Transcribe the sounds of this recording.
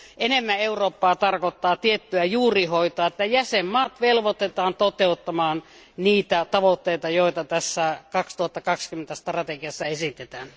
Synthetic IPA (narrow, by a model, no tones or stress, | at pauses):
enemːæeuroːpːɑːt̪ɑrkot̪ːɑːt̪iet̪ːyæjuːrihoit̪oɑːet̪ːæjæsemːɑːt̪ʋelʋot̪et̪ɑːnt̪ot̪eut̪ːɑmɑːn | niːt̪æt̪ɑʋot̪ːeit̪ɑjoˑit̪ɑt̪æsːækɑkst̪uhɑt̪ːɑkɑkskymːent̪æst̪rɑt̪ekiɑsːɑesit̪et̪æːn